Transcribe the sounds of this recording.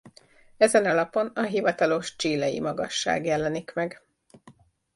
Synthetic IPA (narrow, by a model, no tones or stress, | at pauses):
ɛzɛnɒlɒpo̞nɒɦivɒt̪ɒlo̞ʃt͡ʃiːlɛjḭmɒɡɒ̰ʃːa̰ːɡjɛlɛnikmɛɡ